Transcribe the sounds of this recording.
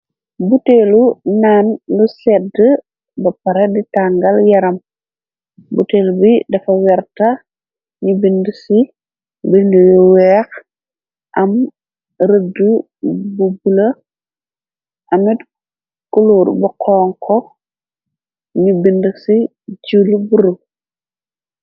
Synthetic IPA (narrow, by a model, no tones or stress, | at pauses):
buteːlunaːnlusɛdə | bɐpɐɾɐditaŋɡɐljɐɾɐm | buteːlbidɐfɐwɛrtɐ | ɲubindəsi | bindujɔwɛːx | ʔɐm | ɾədu | bubulɐ | ʔɐmɛt | kuluːɾbɐqʰɔːŋkʰɔ | ɲubindəsi | ɟulibuɾu